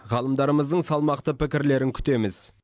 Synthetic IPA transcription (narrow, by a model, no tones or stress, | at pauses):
ʁɑlˠəmd̪ɑɾəməzd̪əɴsɑlˠmɑqt̪əpʰɪkʲɪɾle̞ɾɪŋkʲʰʏ̥t̪e̞mɪz